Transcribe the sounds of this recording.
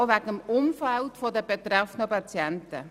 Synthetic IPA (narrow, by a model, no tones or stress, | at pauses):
ʋæɡəmʊmfaltfɔdəbet̪ɾɛfənəpɑt͡sjɛntə̰